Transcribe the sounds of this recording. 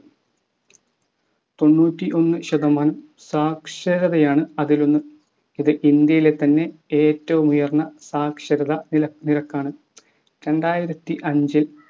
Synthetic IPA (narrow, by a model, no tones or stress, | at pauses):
t̪o̞nːuːtːiʔo̞nːɨɕɐðɐmaːnɐm | saːkʂɐɾɐðɐjaːɳɨɐðilonːu | iðɨʔind̪jɐjile̞t̪ɐnːe̞eːtːɐʋumujɐrɳɐsaːkʂɐɾɐðɐɐniɾɐkːaːɳɨ | ɾe̞ɳɖaːjiɾɐt̪ːiʔɐɲd͡ʑil